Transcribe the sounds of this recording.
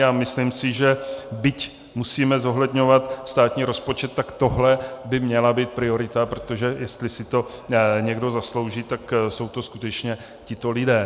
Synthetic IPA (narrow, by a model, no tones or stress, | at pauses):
aːmɪslɪmsɪʒɛbɪc | musiːmɛzo̞ɦlɛd̪ɲo̞vat̪st̪aːt̪ɲiːɾo̞spot͡ʃɛt̪ːakt̪o̞ɦlɛbɪmɲɛlabiːt̪̚pɾɪo̞ɾɪt̪apɾot̪o̞ʒɛjɛst̪lɪsɪt̪o̞ɲɛɡdo̞zaslo̞wʒit̪akso̞wt̪o̞skut̪ɛt͡ʃɲɛ | cɪt̪o̞lɪdɛː